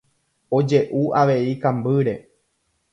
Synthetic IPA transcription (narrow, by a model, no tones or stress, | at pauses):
o̞d͡ʒe̞ʔuʔaʋe̞ikãmbɨɾe̞